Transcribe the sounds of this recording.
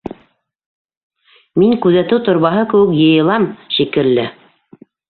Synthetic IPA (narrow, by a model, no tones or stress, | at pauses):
miŋkʉðæt̪ɘwt̪ŏɾβɑɦɤkɘ̆wɘkjɤ̆jɤ̆lˠɑmʃikɘ̆lːɘ